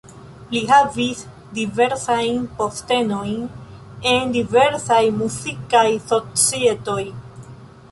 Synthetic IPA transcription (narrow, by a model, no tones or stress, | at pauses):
liɦavis | dive̞ɾsajnpo̞ste̞no̞jn | e̞ndive̞ɾsajmuzikajso̞t͡sie̞to̞j